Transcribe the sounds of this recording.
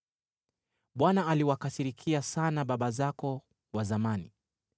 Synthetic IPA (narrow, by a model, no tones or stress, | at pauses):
ɓwanaaliwakasiɾikʰiasanaɓaɓazakɔ | wazamanḭ